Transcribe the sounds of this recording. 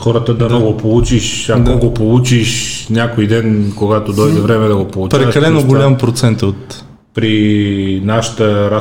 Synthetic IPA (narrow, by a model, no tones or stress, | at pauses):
xɔɾət̪əd̪ɐnɔɡopolˠut͡ʃiʃamoɡopolˠut͡ʃiʃnʲakojd̪ɛnkoɡat̪od̪ɔjd̪ɛvɾɛmɛd̪ɐɡopolˠut͡ʃpɾaɛɐkɐlɛnoɡolʲampɾot̪sɛnt̪ot̪ | pɾinaʃə̥t̪əɾa